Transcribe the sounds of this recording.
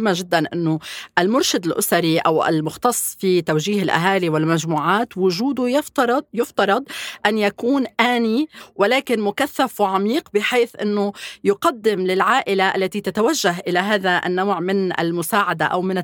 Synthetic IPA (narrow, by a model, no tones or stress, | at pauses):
mːaʒɪd̪ːanʔɪnːʊʔɪlmʊɾʃad̪ɪlʔʊsaɾiʔa̰wɪ̰lmʊxt̪ɑsˤːfit̪awʒiːɦɪlʔa̰ɦaːliwɪlmaʒmuːʕaːt̪wʊʒuːd̪ʊjɪft̪ɑɾˤɑd̪jʊft̪ɑɾˤɑd̪ˤʔanjakuːnʔaːniwalaːkɪnmʊkaθːafwaʕamiːqbɪħeːθʔɪ̰nːʊjʊqɑd̪ːɪmlɪlʕaːʔɪlaʔa̰lːat̪it̪at̪awaʒːaɦʔɪlaɦaːðaʔa̰nːaːʕmɪnʔɪ̰lmʊsaːʕad̪aʔawmɪnɪ